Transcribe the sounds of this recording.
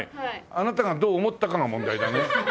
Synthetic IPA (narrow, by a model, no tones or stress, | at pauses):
ianat̪aɡad̪oːmo̞t̪ːakaŋamõnd̪aid̪ane